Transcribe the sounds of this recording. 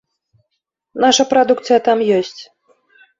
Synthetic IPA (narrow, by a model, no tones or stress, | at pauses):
naʂɐpɾad̪ukt̪sɨjɐt̪amjɔsʲt͡sʲ